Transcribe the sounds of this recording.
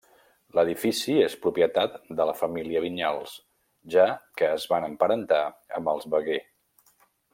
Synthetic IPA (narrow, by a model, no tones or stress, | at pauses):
ləðifisiespɾupjət̪at̪d̪ələfəmiliəβ̞iɲalˠs | ʒakəːzβanəmpəɾənt̪aə̰mbəlˠzβəɣe